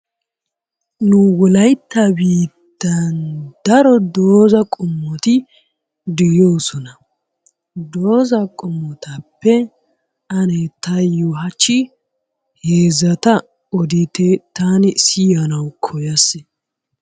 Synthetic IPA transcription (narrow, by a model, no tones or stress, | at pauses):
nʊwɔlɐjt̪ːɐbiːd̪ːɐnd̪ɐɾɔd̪oːzɐkʼʊmːɔt̪ɪ | d̪ɪjoːsɔnɐ | d̪oːzɐkʼɔmːɔt̪ɐpːɛ | ɐnet̪ɐjuɦɐt͡ʃːɪ | heːzɐt̪ɐ | ɔd̪ɪt̪et̪aːnɪsɪjɐnɐwkʰɔjɐsɪ